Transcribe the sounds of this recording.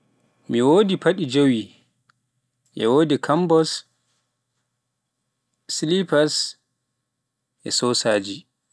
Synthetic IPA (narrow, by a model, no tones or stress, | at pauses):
miwoːdipʰaɗid͡ʒowi | ʔɛ̰woːdikʰambɔs | lipas | ʔɛ̰sɔsaːd͡ʒi